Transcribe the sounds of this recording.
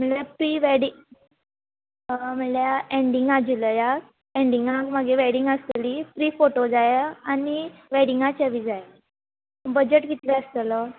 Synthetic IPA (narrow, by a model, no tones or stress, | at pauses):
m̤əljapɾiːʋeɽiŋ | m̤əljaeɳɖiŋɡad͡ʑiləja | eɳɖiŋɡãkməɡeʋeɽiŋɡəst̪liːfɾiːfoʈod͡zajeañiʋeɽiŋɡat͡ɕaʋid͡zaj | bəd͡ʑeʈɡit̪leəst̪lə